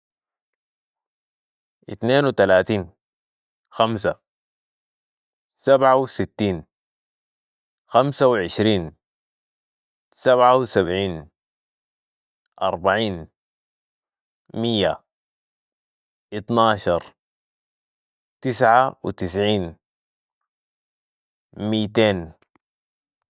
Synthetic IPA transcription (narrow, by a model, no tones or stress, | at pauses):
ʔḭt̪neːnwit̪alaːt̪iːn | xams̬a | sabʕawsit̪ːiːn | xamsawiʕɪʃɾiːn | saβʕawisabʕiːn | ʔɑ̰ɾˤbaʕiːn | mijːa̰ | ʔit̪nɑːʃɑɾˤ | t̪isʕawḭt̪is̬ʕiːn | miːt̪eːn